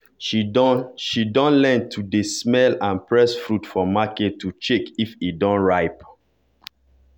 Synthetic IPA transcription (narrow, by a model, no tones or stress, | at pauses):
ʃidɔ̃nlɛ̃ntʰudesmɛlãnpɹɛsfɹutfɔmaketʰːut͡ʃekifidɔ̃nɹaɪp